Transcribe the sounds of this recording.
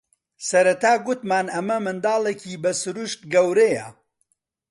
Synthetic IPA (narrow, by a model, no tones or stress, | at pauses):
sɐɾɐt̪aːɡʊt̪maːnɐmɐmɨnd̪ɑːlˠecʰiːbɐsʊɾuʃt̪̚ɡɐwɾejɐ̰